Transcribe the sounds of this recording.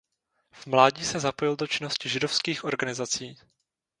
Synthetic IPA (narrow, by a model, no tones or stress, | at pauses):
v̥mlaːɟiːsɛzapo̞jɪldot͡ʃɪno̞scɪʒɪdo̞fskiːxʔo̞ɾɡanɪzat͡siː